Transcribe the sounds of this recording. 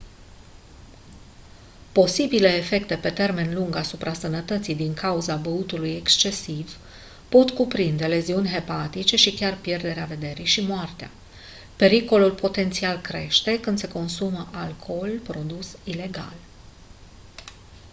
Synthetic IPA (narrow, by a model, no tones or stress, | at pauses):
po̞sibile̞ːfe̞kt̪e̞pe̞t̪e̞rme̞nluŋɡasupɾʔasənət̪ət̪sijd̪iŋkauzabəut̪uluje̞kst͡ʃe̞siv | po̞t̪kupɾind̪e̞le̞ziunʲɦe̞pat̪it͡ʃe̞ʃikʲarpje̞rd̪e̞ɾeave̞d̪e̞ɾijʃimoart̪ea̰ | pe̞ɾiko̞lulpo̞t̪e̞nt̪sialkɾe̞ʃt̪e̞kɨnd̪̥se̞ko̞nsuməʔalkʰo̞lpɾo̞d̪usile̞ɡa̰l